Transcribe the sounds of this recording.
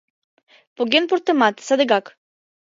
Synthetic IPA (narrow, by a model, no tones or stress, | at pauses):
poɡʲenpoɾt̪emat̪sad̪eɡak